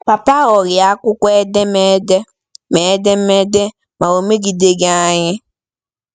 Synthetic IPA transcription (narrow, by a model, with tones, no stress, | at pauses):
pa˨pa˦ɔ˨ɾi˨a˨˦kʊ˦kʷɛ˦dɛ˦mɛ˦dɛ˦ | mɛ˨˦dɛ˦mɛ˦dɛ˦ | ma˨wo˨me˦ɡi˨de˦ɡe˦a˦ɲɪ˦